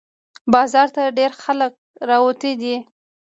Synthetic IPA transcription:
bɑzɑɾt̪aɖeɾxalək̚ɾɑwot̪ed̪i

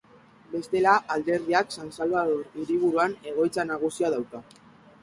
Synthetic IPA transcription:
be̞st̪e̞laʔald̪e̞ɾðiaksansalβaðoɾiɾiβ̞uɾuane̞ɣ̞o̞jt͡sanaɣ̞usiaðawka

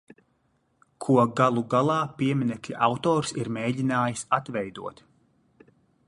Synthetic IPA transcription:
kʰuɔɡalˠuɡalˠɑːpiɛmʲinɛklʲiʔawt̪ɔːɾsiɾmɛːɟʲinaːjisat̪vɛjd̪uɔt̪

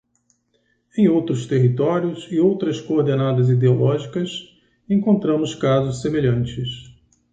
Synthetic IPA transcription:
ẽj̃owt̪ɾʊst̪eɦit̪ɔɾjʊsɪowt̪ɾɐskoːɾd̪enad̪ɐzid̪eolʔɔʒikɐs | ẽŋkõnt̪ɾɐ̃mʊskazʊssemeʎɐ̃nt͡ʃɪs

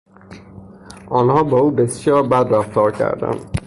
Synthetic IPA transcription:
ɔːnhɔːbɔuːbesʃjɒɾbæd̪ɾaft̪ɒːɾkʲʰæ̰ɾd̪æ̰n

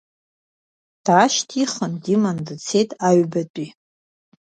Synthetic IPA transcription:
d̥aʃtʰiχəndimandɨt͡sʰejtʼaɥbatʼi

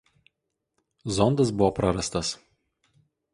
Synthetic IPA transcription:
zɔnd̪ɐsbʊʋɔpɾɐɾɐst̪ɐs

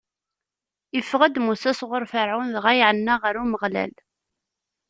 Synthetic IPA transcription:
ifːʁəd̪musæsʁəɾfəɾʕunðʁæjʕənːaʁəɾuməʁlæ̰l

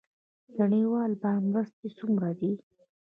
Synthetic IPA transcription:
ɡaɳiwɑlbɑɾmɾast̪̚esumɾad̪i

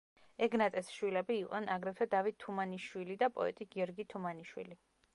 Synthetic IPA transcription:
ɛɡnat̪ʼɛsʃwilɛbiːqʼnɛnaɡɾɛp̪ʰɛd̪avit̪̚t̪ʰːumaniʃwilid̪apʼɔ̰ɛ̰t̪ʼiɡiɔɾɡit̪ʰumaniʃwḭli

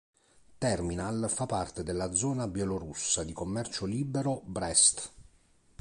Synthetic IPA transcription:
t̪ɛrminalfapːart̪ed̪elːad̪zɔːnabjɛloɾusːad̪ikomːɛrt͡ʃoliːbeɾobɾɛst̪

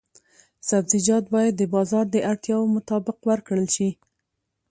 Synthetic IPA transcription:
sabzid͡ʒɑd̪̚bɑjad̪ːəbɑzɑɾd̪əʔaɽt̪jɑwomʊt̪ɑbɪqwaɾkɽəlʃi

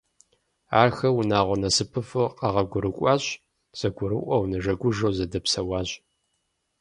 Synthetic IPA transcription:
a̰ːrxɐwnaːʁʷɔnɐsɨpʰɨfɨqɑʁɐɡʷʊɾɨkʷʼɑːɕ | z̥ɐɡʷʊɾɨʔʷɐwnɐʐɐɡʷʊʒɐwzɐdɐpsɐwɑːɕʼ

